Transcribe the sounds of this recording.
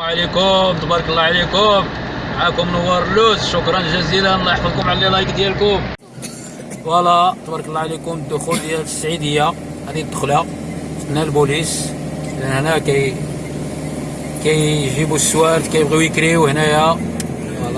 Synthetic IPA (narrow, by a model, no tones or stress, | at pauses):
ʕlikʊmt̪bɑɾˤkəlːɑʕlikʊmʕakʊmnʊwɑɾˤlʊsʃʊkɾˤɑnʒæzid̪ænlːɑjəħfəd̪ˤkʊmʕaləlilɑjkd̪jælkʊm | wɑlˤːɑt̪ˤbɑɾˤklˤːɑʕlikʊmd̪ːʊxuld̪jælt̪ːə̥sːʕid̪əjːahæd̪id̪ːəxlafnːælbulis | d̪ænhnækæj | kæjʒibusːwæɾt̪kæjəbɣiwjəkɾiwhnæjæ | wɑlː